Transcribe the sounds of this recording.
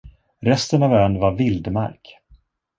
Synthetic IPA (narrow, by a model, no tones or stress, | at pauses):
ɾɛst̪ənavœːnvaɾvɪld̪ma̰ɾk